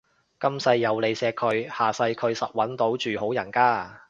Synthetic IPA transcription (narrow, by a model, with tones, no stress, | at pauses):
kɐ˥msɐ˧jːɐ˨˧wle˨˧jsɛː˧kʰɵ˨˧ɥhaː˨sɐ˧jkʰɵ˨˧ɥsɐ˨t̚wɐ˨˥nt̪o˨˥wt͡ʃyː˨ho˨˥wjɐ˨˩nkaː˥